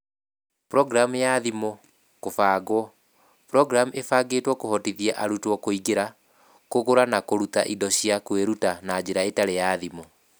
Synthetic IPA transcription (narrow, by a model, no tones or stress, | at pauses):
pɾɔɡɾamjaðimo | kofaːɡwɔ | pɾɔɡɾamʔefaːɡeːtwɔkohɔtiðjɛʔaɾutwɔkoiɡeɾa | koɣoɾanakoɾuta̰ʔidɔɕiakweɾutanad͡ʑeɾaetaɾejaðimo